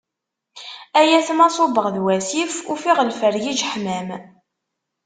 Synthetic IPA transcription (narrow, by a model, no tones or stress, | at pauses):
æjæθmɑsˤobəʁðwæsifufiʁəlfəɾjid͡ʒħmæm